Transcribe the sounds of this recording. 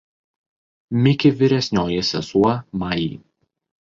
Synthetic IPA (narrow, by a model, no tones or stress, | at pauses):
mʲɪkʲɪʋʲɪɾʲɛsʲnʲoːjɛsʲɛsuɔmɑjḭː